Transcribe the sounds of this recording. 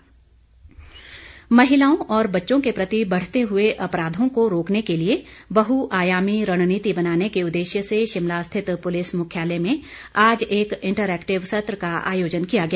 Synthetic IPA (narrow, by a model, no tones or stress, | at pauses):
mɐɦɪlaːõʔɔːɾbɐtːʃõkepɾɐt̪ibɐɽ̤t̪eɦʊeʔɐpɾaːd̪ʱõkoɾoːknekeliebɐɦuʔaːjaːmiɾɐɽ̃niːt̪ibɐnaːnekeʊd̪ːeːʃjəseʃɪmlast̪ʰɪt̪pʊlɪsmʊkʰjaːlemẽ | aːd͡ʒeːkɪ̃ɳʈəɾɛːkʈɪʋsɐt̪ɾəkaa̰ːjoːd͡ʒənkijaɡɐjaː